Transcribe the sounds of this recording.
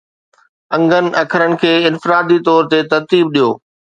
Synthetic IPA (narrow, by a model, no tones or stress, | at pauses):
ɐ̃ŋɡən̆ʔɐkʰəɾənɪ̆kʰeːɪnfɪɾaːd̪it̪ɔːɾt̪et̪ɐɾt̪iːb̚ɗijoː